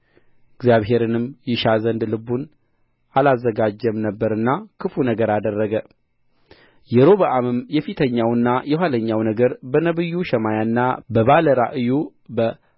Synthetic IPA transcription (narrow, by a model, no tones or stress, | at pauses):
ɪɡzjaβɦe̞ɾɨnɨmjɪʃazənd̪lɨbun | alazːəɡad͡ʒːəmnəbːəɾɨnːakʰɨfunəɡəɾad̪ərːəɡə | jɛɾo̞βəʔamɨmjɛfit̪ʰəɲːawɨnːajɛwaləɲːawnəɡəɾbənəβɨjːuʃɛmajanːabəβaləɾa̰ʔɨju | bə